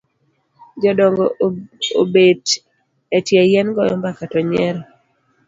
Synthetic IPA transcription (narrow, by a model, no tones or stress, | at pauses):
d͡ʒɔdɔŋɡɔobed | ɛtjɛjɛnɡɔjɔmbakatɔɲɛɾɔ